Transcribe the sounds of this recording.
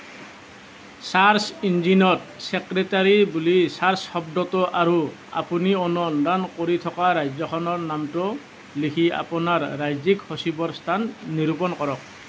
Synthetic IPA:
saɹsind͡ʒinɔtsɛkɹɛtaɹibulisaɹshɔb̚dɔtɔʔaɹua̰puniɔnɔndankoɹitʰɔkaɹajzɔkʰɔnɔɹnamtʊ | likʰia̰pɔnaɹːajzikhosibɔɹstʰanːiɾupɔnkɔɹɔk̚

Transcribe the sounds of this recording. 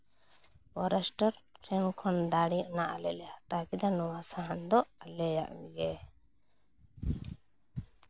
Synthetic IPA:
bɔɾɛsʈəɾʈʰɾɛnkʰɔnd̪aɽiʔɔnaʔalɛlɛat̪akid̪anɔwasaɦand̪ɔalɛja̰ʔmiɡɛ

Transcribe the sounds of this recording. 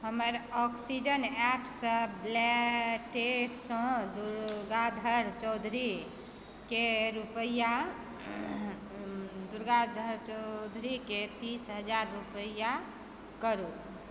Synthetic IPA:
ɦəməɾɔksid͡ʒənɛpsə̃blɛʈesːə̃d̪uɾɡad̪ʱəɾt͡ʃɔwd̪ʱɾi | keɾupəja | d̪uɾɡad̪ʱəɾt͡ʃɔd̪ʱɾiket̪isɦəd͡ʒaɾːupəja | kəɾu

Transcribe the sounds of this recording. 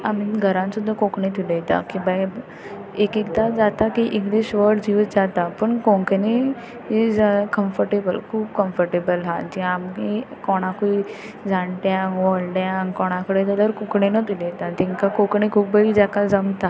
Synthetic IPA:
amiɡʱəɾãnsud̪ʱːakokɳet̪ilejt̪a̰kiba | ekekd̪ad͡zat̪akiʔikd̪eɕʋəɽd͡ʑiʋt̪d͡zat̪apəɳkõŋkne | ed͡zakəmfəɾʈebəlkʰuːb̚kəmfəɾʈebəlɦad͡ʑĩamkikɔɽ̃akui | d͡zaɳʈjaʋɔɭɖjaŋkɔɽ̃ãkəɽet̪ələɾkukɳenət̪ilejt̪at̪iŋkakokɳikʰuːpbəɦid͡ʑakad͡zəmt̪a

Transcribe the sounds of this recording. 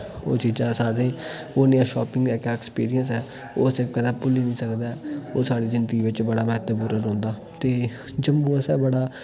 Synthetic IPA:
o̰ːt͡ʃiːd͡ʒãːsaːɽẽː | oːnɪjãːʃɔːpɪ̃ŋɡɛːkɛɛkspiːɾijə̃nsɛː | oːsẽːkənãːpʊliːnĩːsəkd̪aːɛoːsaːɽiːzɪnd̪ɡiːʋɪt͡ʃbəɽaːmɛːt̪əbuːɾəɾõːnd̪aː | t̪eːd͡ʒəmːũːəsɛːbəɽaː

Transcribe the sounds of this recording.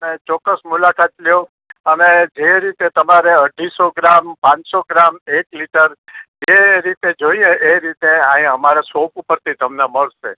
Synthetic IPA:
ənet͡ʃɔkːəsmulakat̪ljo | əned͡ʒeɾit̪et̪əmaɾeəɖʱisoɡɾampãt͡ʃsoɡɾamekliʈəɾd͡ʒeɾit̪ed͡ʒoijẽʔeɾit̪eãɦĩəmaɾesopupəɾt̪ʰit̪əmneməɭʃḛ

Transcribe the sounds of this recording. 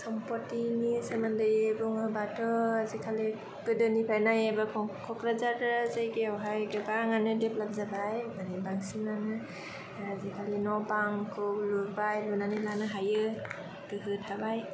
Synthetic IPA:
sʰɔmpɔtinisamandɯjɯbɔŋɯbatʰɔazikʰali | pɯdɯnipʰajnajabakʰɔkʰɔkɾazaɾzajɡiawɦajɡɯbaŋanɯdeplab̚zabajmanibaŋsimnanɯ | azikʰalinɔbaŋkʰɯluɾbajlunanilanɯɦajɯ | kɯɦɯtʰabaj

